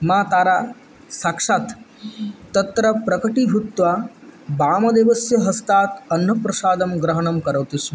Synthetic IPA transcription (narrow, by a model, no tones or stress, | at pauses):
mãːt̪aːɾaː | saːkʂaːt̪ː | ɐt̪ɾɐpɾɐkɐʈiɦut̪ʋabaːmɐd̪eːʋɐsjɐɦɐst̪aːt̪ɐnːɐpɾɐsaːd̪ɐmɡɾɐɦɐɳɐmkɐɾɐʋt̪iʃ